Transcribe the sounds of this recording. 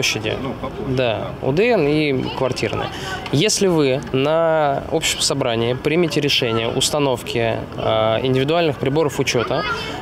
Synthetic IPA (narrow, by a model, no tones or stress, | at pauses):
oɕːɪdʲɪ̰d̪a | ʊ̰d̪ɨɛnikvɐrtʲirnɨ̰ | jesʲlʲɪvɨnɐo̞pɕɪjəmsɐbɾanʲɪɪpɾʲɪmʲɪtʲɪɾʲɪʂɛnʲɪjə̰ʔʊst̪ɐno̞fkʲɪ | ɪ̰nʲdʲɪvʲɪd̪ʊalʲnɨxpɾʲɪbo̞ɾəfʊt͡ɕo̞t̪ə